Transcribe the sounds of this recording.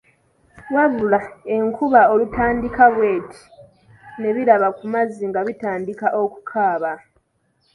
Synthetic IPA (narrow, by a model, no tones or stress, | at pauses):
waβulae̞ŋkʰuβao̞lutaːndikaβwe̞ːtʰi̥ | ne̞βiɾaβakumaziŋɡaβitaːndikaʔo̞ku̥kʰaːβa